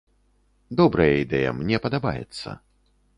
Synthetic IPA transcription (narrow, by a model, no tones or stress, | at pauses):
d̪ɔbɾɐjɐid̪ɛjɐ̰mnʲɛpɐd̪aba̰jɛ̰t̪sːɐ̰